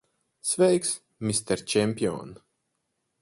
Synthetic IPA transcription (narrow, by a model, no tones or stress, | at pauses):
svɛjks | mist̪ɛɾt͡ʃɛmʲpʲiɔ̰n